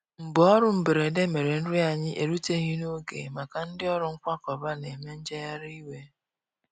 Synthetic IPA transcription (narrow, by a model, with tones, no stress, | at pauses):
m̩˨bɔ˦ɾʊ˦m̩˨be˨ɾe˨de˦me˨ɾe˨n̩˦ɾɪ˦a˨ɲɪ˦ʔe˨ɾu˦te˦ɣi˦no˦ɡḛ˨ma˨ka˨n̩˦dɪ˦ɔ˦ɾʊ˨˦ŋ̩˦kʷa˦kɔ˨ba˦ne˨me˦n̩˦d͡ʒe˦ja˦ɾi˦we˦